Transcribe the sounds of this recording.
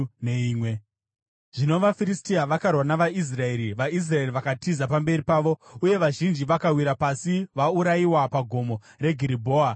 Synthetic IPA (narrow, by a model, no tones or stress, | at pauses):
neiːmwe̞ | ʐ̥ino̞ʋafiristiaʋakarwanaʋais̬rae̞ɾiʋais̬rae̞riʋakatizapambe̞ripaːʋo̞uje̞ʋaʒind͡ʒiʋakawiɾapasiʋauɾaiwapaɡʱo̞mo̞ | re̞ɡʱiɾibʱoːa